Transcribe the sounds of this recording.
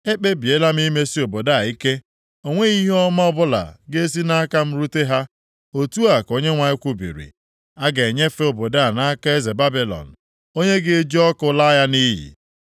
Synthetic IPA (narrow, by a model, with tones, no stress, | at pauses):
e˦k͡pe˦bi˨e˦la˦m˦i˦me˦si˦o˨bo˨da˦˨i˦ke˦ | o˦ŋʷe˦i˦ɦɔ˦ma˦ɔ˦bʊ˦la̰˨ɡe˦e˦s̬i˦na˦ka˦m̩˦ɾu˦te˦ɦa˦ | o˨tu˦a˨ko˦ɲe˦ŋʷa˨ɪ˦kʷʊ˦bḭ˨ɾḭ˨ | a˦ɡe˨ɲe˦fe˦o˨bo˨da˦˨na˦ka˦e˦ze˨ba˦bi˨lɔ̰˨n̩˨ | o˦ɲe˦ɡe˦e˦d͡ʒi˦ɔ˦kʊ˦la˦ja˦ni˦jḭ˨